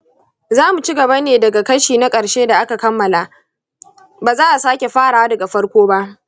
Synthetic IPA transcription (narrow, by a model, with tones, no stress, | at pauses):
zaː˦mu˨t͡ʃi˦ɡɐ˨ba˦neː˨dɐ˨ɡa˨kɐ˦ʃiː˨na˦kʼɐ˨ɽʃeː˦da˨ʔa˦ka˨kɐ˦mːɐ˨la˨ʔ | baː˨zaː˦ʔa˨saː˦kʲe˨ɸaː˦ɽaː˨wa˦dɐ˨ɡa˨ɸɐ˦ɽkʷoː˦ba˦ʔ